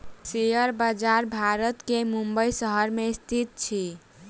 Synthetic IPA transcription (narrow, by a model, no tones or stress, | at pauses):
sejəɾbad͡ʒaɾbʱaɾət̪kemumbəisəɦəɾmeist̪ʰit̪̚t͡ʃʰi